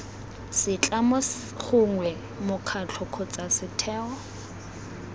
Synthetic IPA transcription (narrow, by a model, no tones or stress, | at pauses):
sɪt͡ɬʼamɔ | χʊŋwɛ | mʊkʰat͡ɬʰɔkʰɔt͡sʼasɪtʰɛːɔ